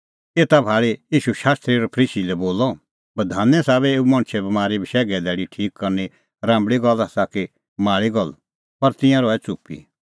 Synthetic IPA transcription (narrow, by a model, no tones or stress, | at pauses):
eːt̪abʱaːɭejiːʃuʃaːst̪ɾiɔɾpʰəɾiːsilɛboːlɔ | bɐd̪ʱaːnɛ̃saːβɛeːumɐ̃ɽ̃t͡ʃʰɛbɐmaːɾibʱiʃɛːɡɛd̪ɛːɽiʈʰiːkːɐɾni | ɾãːmbɭiɡɐlasaki | maːɭiɡɐl | pɐɾt̪ɪ̃jãɾɔɛt͡sʊpḭ